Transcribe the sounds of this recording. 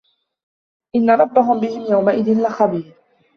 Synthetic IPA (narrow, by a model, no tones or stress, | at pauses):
ʔɪnːaɾˤɑbːaɦʊmbɪhɪmjawmaʔɪðɪnlɪxabiːɾ